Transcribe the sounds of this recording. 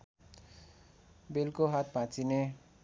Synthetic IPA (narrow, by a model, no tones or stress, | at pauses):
belkoɦat̪̚ʰbãt͡sine